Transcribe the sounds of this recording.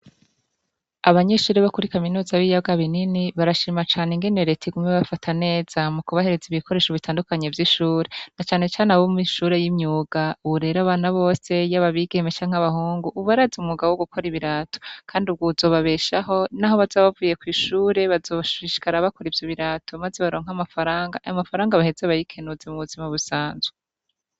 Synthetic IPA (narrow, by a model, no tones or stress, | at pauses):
aβaɲe̞ːʃuːɾeβakuɾikaminuːzaβiːjaɡaβininiβaɾaʃiːmat͡ʃaːneŋɡe̞ne̞ɾetʰiɡumŋeβafatʰane̞ːz̥amukuβahe̞ɾe̞ziβikʰo̞ɾe̞ːʃoβitaːndukaɲe̞vjiʃuːɾe̞nat͡ʃaːne̞t͡ʃaːneaβomumiʃuːɾe̞jimɲuːɡ̥auβuɾe̞ːɾaβaːnaβo̞ːse̞jaβaβiɡemet͡ʃaɲŋhaβahuːŋɡuʔːβaɾazumuɡawoɡukʰo̞ɾiβiɾaːto̥kʰaːndiub̚ɡuzo̞ːβaβe̞ːʃaɦo̞naɦoβazaβavuːje̞kwiːʃuːɾe̞βazoːβʃuiʃi̥kaɾaβako̞ɾivjoβiɾaːtoβmazeβaɾo̞ːŋ̥hamafaɾaːŋɡa̰ʔamafaɾaːŋɡaβahezeβajikʰe̞nuzemuβuzimaβusaːnze